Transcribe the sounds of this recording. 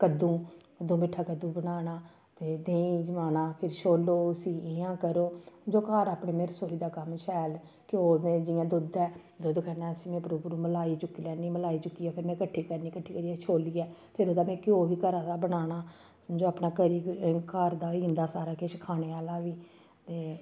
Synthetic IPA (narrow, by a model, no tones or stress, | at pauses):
kəd̪ũːkəd̪ũːmɪʈʰaːkəd̪ũːbənaːnaː | t̪eːd̪ẽːĩd͡ʒəmaːnaːpʰɪɾʃʰoːlːoːʊsiːɪãːkəɾoːd͡ʒoːkaːɾaːpɳeːmeːɾsoːiːd̪aːkəmʃɛːl | kɪoːmɛ̃ːd͡ʒɪjãːd̪ʊd̪ɛː | d̪od̪kɛːnɛːsĩːmɛ̃ːpəɾoːpɾũːməlaːiːt͡ʃʊkːiːlɛːniːməlaːiːt͡ʃʊkːiːaːpʰɪɾmɛ̃ːkəʈʰːiːkəɾniːkəʈʰːiːkəɾiːɛʃʰoːliːɛːpʰɪɾoːd̪aːmɛ̃ːkɪoːʋiːkəɾaabənaːnaː | d͡ʒoːaːpnaːkəɾiːkaːɾd̪aːĩːnd̪aːsaːɾaːkeʃkʰaːñeːaːlaːʋiː | t̪eː